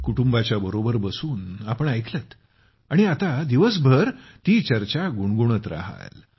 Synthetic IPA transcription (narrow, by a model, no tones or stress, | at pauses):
kuʈumbat͡ɕjabəɾobəɾbəsuːnapəɳajkʰlət̪ | aɽ̃iat̪ad̪iʋəs̬bʱəɾt̪iːt͡ɕəɾt͡ɕaɡuɳɡuɳ̃ət̪ɾa̰ɦa̰l